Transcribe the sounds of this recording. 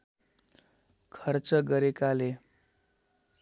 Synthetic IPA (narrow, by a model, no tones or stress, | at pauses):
kʰʌrt͡sʌɡʌɾekale